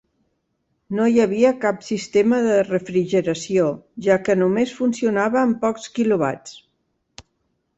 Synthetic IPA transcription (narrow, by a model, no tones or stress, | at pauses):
nojəβ̞iəkapsist̪eməðərəfɾiʒəɾəsioʒakənumesfunsiunaβəːmpɔkskiluβa̰t͡s